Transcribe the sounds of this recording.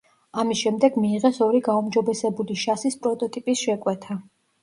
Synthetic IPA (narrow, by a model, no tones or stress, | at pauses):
amisʃɛmd̪ɛɡmiːʁɛsɔɾiɡaumd͡ʒɔbɛsɛbuliʃasispʼɾɔt̪ʼɔt̪ʼipʼisʃɛkʼwɛt̪ʰa